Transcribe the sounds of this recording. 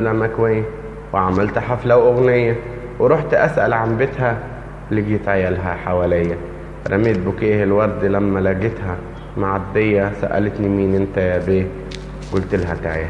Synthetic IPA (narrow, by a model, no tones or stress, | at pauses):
læmækwæjːæ | weʕamælt̪ħaflæwʔoɣnejːæ | weɾˤoħt̪ʔæsʔæ̰lʕambet̪hæ | liɡit̪ʕajælɦæħawælejːæ | ɾˤæmeːt̪̚bokeːhelwɑɾˤd̪læmːælæɡet̪hæ | maʕad̪ːejːæsæ̰ʔæ̰let̪nimiːnʔent̪æjæbeː | ɡolt̪elɦæk̪a̰ʕjæ